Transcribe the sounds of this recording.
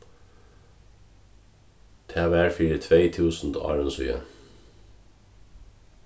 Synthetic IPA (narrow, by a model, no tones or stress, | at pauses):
t̪ʰɛːʋæːɹfiːɾət̪ʰʋeɪt̪ʰʉːsn̩d̪ɑ̰ːɹənsy̰ːə̰